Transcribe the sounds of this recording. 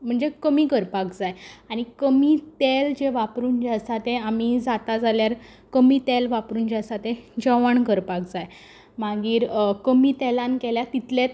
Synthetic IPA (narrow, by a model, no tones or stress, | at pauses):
m̤əɳd͡zekəmiːkəɾpakd͡zajaɽ̃ikəmiːt̪eld͡ʑeʋapɾuːnd͡ʑasat̪eamid͡zat̪ad͡zaljaɾ | kəmiːt̪elʋapɾuːnd͡ʑasat̪ed͡ʑəʋəɳkəɾpak̚d͡zaj | maɡiːɾkəmiːt̪elãnkeljat̪it̪let̪